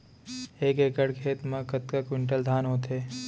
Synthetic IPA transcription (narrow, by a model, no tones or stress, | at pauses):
eːkeːkəɽkʰeːt̪mɐ̃kət̪̚kɐkwɪɳʈ̬əld̪ʱaːnɦoːt̪ɦeː